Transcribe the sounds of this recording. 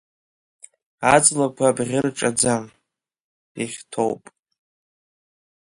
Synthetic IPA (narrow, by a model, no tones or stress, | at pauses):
ad͡zlakʷʰabʁʲɪrʈ͡ʂʼad͡zam | iχʲtʰo̰wpʼ